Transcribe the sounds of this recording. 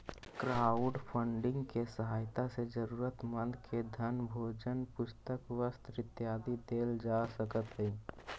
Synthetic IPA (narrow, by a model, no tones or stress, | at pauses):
kɾaːʊɖpʰə̃ɳɖɪ̃ŋɡkesəɦaːjt̪ased͡ʒəɾuːɾət̪mə̃nd̪kʰed̪ʱənbʱoːd͡ʒənpʊst̪əkwəst̪ɾɪt̪jaːd̪id̪eːld͡ʒaːsəkət̪ɦɛː